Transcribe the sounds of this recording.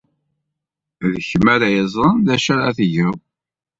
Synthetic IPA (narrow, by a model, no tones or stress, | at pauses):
ðəçmæɾæjəzˤɾˤənðæʃæɾaθʝæw